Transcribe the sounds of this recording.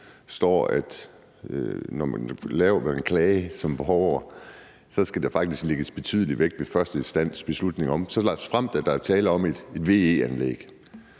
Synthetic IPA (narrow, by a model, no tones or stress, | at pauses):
sd̥ɒ̰ːæd̥ | nɒmæ̰nlɛːʊɐʋænkʰlɛːɪsɒ̽mb̥e̝ɦɒʊɐ | sɒ̽sɡ̥æd̥ɑ̈fɑ̈ɡ̥̚d̥isɡ̥le̝ɡ̥əsb̥e̝t͡sʰy̰ːð̞ˠəliʋeɡ̥d̥ʋe̝fɶɐsd̥əisd̥æn̰sb̥e̝slud̥ne̝ŋɒ̽msɒ̽lɑ̥sfʁam̰d̥æd̥ɑ̈æɐt͡sʰɛːləɒ̽me̝d̥ed̥ʋe̝̰e̝ænlḛːɡ̥